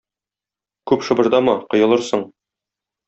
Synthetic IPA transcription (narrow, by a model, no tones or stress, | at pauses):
kʉpʃɤ̆bɤ̆ɾd̪ɑmɑqŏjɤ̆lˠɤɾsɤɴ